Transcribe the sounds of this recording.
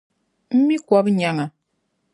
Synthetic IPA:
m̩˦mi˦kɔ˦bɲa˨ŋa˨

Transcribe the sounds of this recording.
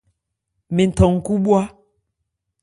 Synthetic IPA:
me˨n̩˨tɔ˨ŋ̩˨ku˦ɓwa˦

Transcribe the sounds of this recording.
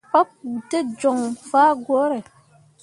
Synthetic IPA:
pɔ˦p̚u˨te˦d͡ʒɔ˨ŋfaː˦ɡwo˨˦ɾe˨

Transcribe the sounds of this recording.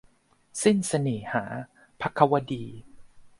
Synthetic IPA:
si˥˩nsa˧niː˨˩haː˩˦ | pʰa˦˥kʰːa˧wa˧diː˧

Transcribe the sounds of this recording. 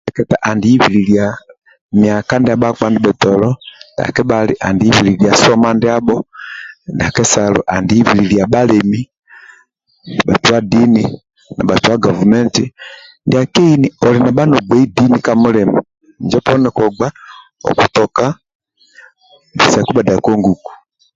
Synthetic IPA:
ɛkɛ˨ta˨ʔa˨ndi˨i˦vi˨lilja | mia˨ka˦ndi˦a˨ɓa˦k͡pandi˦ɓɛ˨tɔlɔ˦nda̰˨kɛ˦ɓali˦ʔa˨ndi˨i˦vililia˨sɔ˦mandi˦a˦bɔ˦ndi˨a˨kɛ˦salṵ˨ʔa˨ndi˨i˦vi˨lilia˨ɓa˦lɛmi˦ | ɓa˨tuwa˦di˦ni | na̰˨ɓa˨tu˨wa˦ɡɔ˨vu˨mɛ˦nti˦ndi˨a˨kɛ˦i˦ni˨ɔ˨li˨na˨ɓa˦nɔ˨ɡ͡bɛ˦i˦di˦ni˨kamu˦lɛmu | ɲd͡ʒɛ˦pɔ˦nɛ˨kɔ˨ɡ͡ba˦ | ɔ̰˨ku˨tɔ˨ka˦ | bi˨sa˨ku˦ba˨da˨kɔ˦ŋɡu˨ku̥˨

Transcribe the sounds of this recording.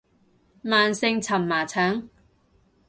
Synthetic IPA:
maː˨nsɪ˧ŋt͡sʰɐ˨˩mːaː˨˩t͡sʰɐː˨˥ŋ

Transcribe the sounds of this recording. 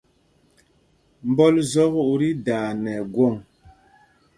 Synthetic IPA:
m˨bɔ˦lzɔ˦ɣu˦˨ʔɾi˦daː˨nɛ˨ɡwɔ˦˨ŋ

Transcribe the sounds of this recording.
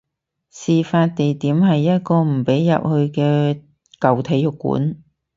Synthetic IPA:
siː˨faː˧t̚t̪e˨jt̪iː˨˥mɦɐ˨jːɐ˥t̚kɔː˧m̩˨˩pe˨˥jːɐ̰˨p̚hɵ˧ɥkɛː˧ | kɐ˨wt̪ʰe˨˥jʊ˨kːṵː˨˥n

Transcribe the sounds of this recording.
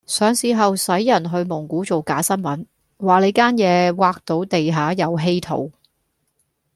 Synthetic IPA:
sœː˨˧ŋsiː˨˩ɦɐ˨wsɐ˨˥jːɐ˨˩nɦɵ˧ɥmʊ˨˩ŋkuː˨˥t͡so˨wkaː˨˥sɐ˥nmɐ˨˥n | waː˨le˨˧jkaː˥njɛː˨˧waː˧k̚t̪o˨˧wt̪e˨jɦaː˨˥jɐ˨˧wɦe˥jt̪ʰo̰˨˧˩w

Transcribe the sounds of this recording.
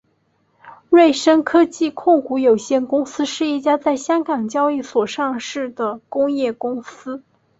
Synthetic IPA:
ɻwe˥˩ɪʂə˥nkʰɤ˥t͡ɕi˥˧kʰʊ˥˩ŋku˧˥jo˨˩ʊɕjɛ˥˩nkʊ˥ŋsɹ̩˥ʂɻ̩˥˧i˥˩t͡ɕja˥t͡sa˥˩ɪɕjɑ˥ŋkɑ˨˩ŋt͡ɕjɑ˥ʊi˥˩swɔ˨˩ʂɑ˥˧ŋʂɻ̩˥˩d̪ə˩kʊ˥ŋjɛ˥˩kʊ˥ŋsɹ̩˥

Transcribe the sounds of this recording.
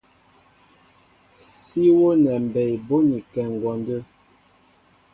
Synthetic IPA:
si˦wo˦nɛ˨m˨bɛ˨jbo˦ni˨kɛ˨ŋ˨ɡwɔ˨ndə˦

